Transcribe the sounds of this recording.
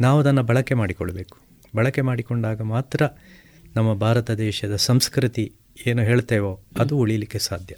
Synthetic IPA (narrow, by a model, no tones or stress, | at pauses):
naːʋuɐd̪ɐnːɐbɐɭɐkːemaːɽikɔɭːɐbe̞ːku̥ | bɐɭɐkːemaːɽikoɳɖaːɡɐmaːt̪ɾɐ | nɐmːɐbʱaːɾɐt̪ɐd̪ɛːʃɐd̪ɐsɐmskɾit̪i | eːnuɦeːɭt̪eːʋoɐd̪uuɭijɐlikːesaːd̪ʱjɐ